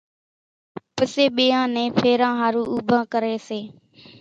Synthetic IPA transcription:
pəseːɓiːãːnẽːpʰeːɾãːɦaːɾuːuːbʱãːkəɾeːseː

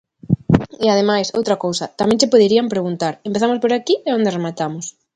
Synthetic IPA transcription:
eað̞emajso̰wt̪ɾɐkowsɐt̪amɛ̃ŋt͡ʃepoðeɾiampɾeɣunt̪aɾempeθamospoɾakieond̪eremat̪amʊs

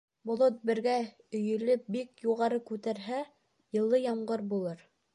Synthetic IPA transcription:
bŏlˠot̪̚bɘ̆ɾɡæ | ɵ̆jɵ̆lɵp̚bikjuʁɑɾɤkʉt̪æɾɦæ | jɤ̆lˠːɤjɑmɢɤɾbulˠɤɾ

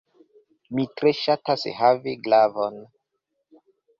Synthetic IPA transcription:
mitɾeʃatashaviɡlavon

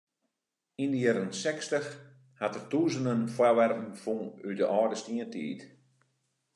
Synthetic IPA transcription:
indəjɛɾənsɛkstəx | hatərtuːzənənfwaʋɛrpn̩fuydəʔɔːdəstiəntḭːt

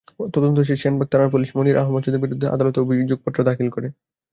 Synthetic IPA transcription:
t̪ɔd̪ont̪oʃ̬eʃenbak̚t̪aɾaɾpuliʃmoniɾʔaɦomat͡ɕod̪eɾbiɾud̪ʱːeʔa̰d̪alɔt̪oobʱid͡ʑoɡ̚pɔt̪ːɾod̪akʰilkoɾe

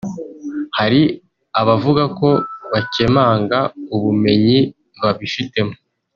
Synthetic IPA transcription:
haɾi | aβavuɡako̞βace̞maːŋɡauβume̞ɲi | βaβifite̞mo

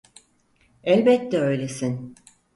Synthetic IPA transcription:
ɛlʲbɛt̪ʰːɛø̞jlʲesin

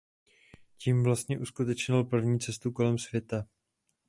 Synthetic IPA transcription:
ciːmvlast̪ɲɛʔuskut̪ɛt͡ʃɲɪlpr̩vɲiːt͡sɛst̪uko̞lɛmsvjɛt̪a

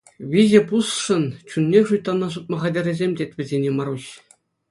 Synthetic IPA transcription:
ʋʲiʑʲɘ̆pusʂɤ̆nt͡ɕunʲːeʂujt̪ːɑnːɑʐut̪̚mɤ̆ʁɑdʲĕrʲĕzʲemʲdʲetʲʋʲɘ̆zʲenʲemɑɾuɕ

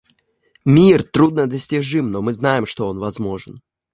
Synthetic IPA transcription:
mʲirt̪ɾud̪nəd̪əsʲtʲɪʐɨmnomɨznajɪmʂt̪o̞onvɐzmo̞ʐɨn

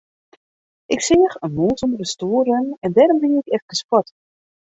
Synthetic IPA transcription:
ʔɪksɪːəxənmuːtənəɾəstuːrənɛndɛːɾɔmʋɪnɪkɛfkəskɔt

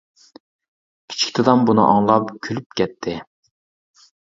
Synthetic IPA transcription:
kʲʰi̥t͡ʃʰi̥kʲt̪ʰɪd̪ɑmbunɨ̰ʔɑ̰ŋlˠɑpkʲʰylyp̚kʲʰɛt̪ʰːɪ

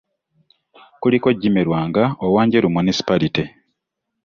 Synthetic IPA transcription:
kuliko̞ɟːimeɾwaːŋɡaowaːɲɟeɾumunisi̥paɾiti

